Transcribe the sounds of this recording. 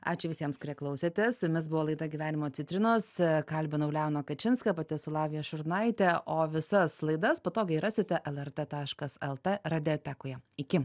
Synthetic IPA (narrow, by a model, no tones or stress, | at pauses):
ɑ̰ːt͡ʃʲʊʋʲɪsʲiɛmskʊɾʲiɛklˠɐʊsʲeːt̪ʲɛsmʲɪsbʊʋoːlˠɐɪd̪ɐɡʲiʋʲæːnʲɪmoːsʲɪt̪ʲɾʲɪnoːskɐlʲbʲɪnɐʊlʲɛʊnoːkɐt͡ʃʲɪnskɐpɐt̪ʲɪsʊlˠɑːʋʲɪjɛʃʊɾnɐɪt̪ʲɛʔoːʋʲɪsɐslˠɐɪd̪ɐspoːt̪oːɡʲɐɪɾɑːsʲɪt̪ʲɛʔɛlˠɛrt̪et̪ɑːʃkɐsɛlˠt̪eɾɐd̪ʲɪoːt̪ʲækʊjɛɪkʲɪ